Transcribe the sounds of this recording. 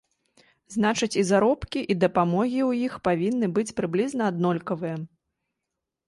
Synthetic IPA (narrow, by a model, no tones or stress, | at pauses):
znat͡ʂɨt͡sʲizaɾɔpkʲiʔid̪ɐpamɔɣʲiwjixpavʲinːɨbɨt͡sʲpɾɨblʲiznɐad̪nɔlʲkɐvɨjɐ